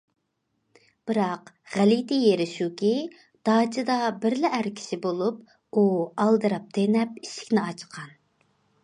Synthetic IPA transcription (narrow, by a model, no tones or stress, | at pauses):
b̥ɨɾɑq | ʁælid̪ijeɾɪʃukʲi | d̪̥ɑːt͡ʃʰɨd̪ɑbɪɾlɪʔæɾkʲʰi̥ʃibolˠup̚ | uɑlˠd̪ɨɾɑp̚t̪ʰenɛpiʃi̥kʲnɪɑt͡ʃqʰɑn